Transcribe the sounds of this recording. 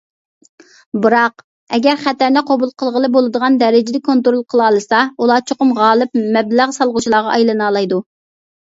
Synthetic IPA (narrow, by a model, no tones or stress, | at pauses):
bɨɾɑq | ɛɡʲɛɾχæt̪æɾnɛqʰobulˠqʰəlˠʁəlˠɨbolˠɨd̪əʁɑnd̪ɛɾɪd͡ʒɪd̪ɛkʰont̪ɾolˠqʰəlˠɑːlˠɨsɑulˠɑːt͡ʃʰoqʊmʁɑːlˠɨp̚mɛblæʁsɑlˠʁʊt͡ʃʰilˠɑːʁɑʔɑjlˠɨnɑlˠɑjd̪u